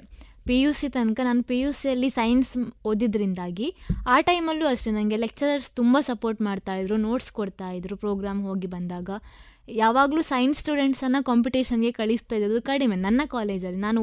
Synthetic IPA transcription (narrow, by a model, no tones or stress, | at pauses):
pijuːsit̪ɐnkɐnaːnupijuːsijɐlːisɐjnsoːd̪id̪ɐɾind̪aːɡiaːʈɐjmɐlːuɐʂʈenɐnɡe̞lek̚t͡ʃɐɾɐɾst̪umbasɐpoːɾʈmaːɖt̪aːjid̪ɾuno̞ːʈskoɽt̪aːjid̪ɾupɾoːɡɾaːmɦo̞ːɡibɐnd̪aːɡɐ | jaːʋaːɡluːsɐjnsʈuːɖe̞ɳʈsɐnːɐkaːmp̬uʈeːʃɐnɡe̞kɐɭist̪aːjid̪ɾɐd̪ukɐɽimenɐnːɐkaːle̞ːd͡ʒɐlːinaːnu